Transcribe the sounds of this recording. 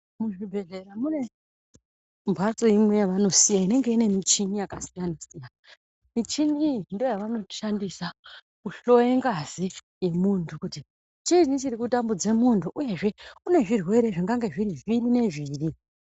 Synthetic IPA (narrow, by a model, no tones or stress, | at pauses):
muʐibʱe̞ɮe̞ɾamune̞ | mbʱat͡so̞imwe̞jaʋano̞sijaine̞ŋɡe̞ine̞mit͡ʃinijakasijanosija | mit͡ʃiniːjindiojaʋano̞ʃandisa | kuɬo̞jeŋɡazi | je̞muntʰukuti | t͡ʃiʐint͡ʃirikutambud͡ze̞muntʰuʔuje̞ʐe̞kune̞ʐirwe̞ɾe̞ʐiŋɡaŋɡe̞ʐiɾiʐiɾine̞ʐiːri